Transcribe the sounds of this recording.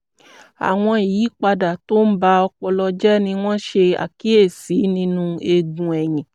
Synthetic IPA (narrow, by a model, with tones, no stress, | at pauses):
a̰˨w̃ɔ̃˧i˨jiː˨˦k͡pa˧da˨to˦n̩˦ba˧ɔ˧k͡pɔ˧lɔ˧d͡ʒɛ˦nĩ˧w̃ɔ̃˦ʃe˧a̰˨ki˨˦e˦˨si˨˦nĩ˧nũ˧e˧ɡũ˨ɛ˨j̃ĩ˨